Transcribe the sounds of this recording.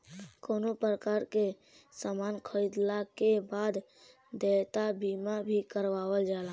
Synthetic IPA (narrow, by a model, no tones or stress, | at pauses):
koːnopɾəkaːɾke | samaːnkʰəɪd̪lakebaːd̪ | d̪et̪abiːmabʱikəɾʋaːwəld͡ʒaːla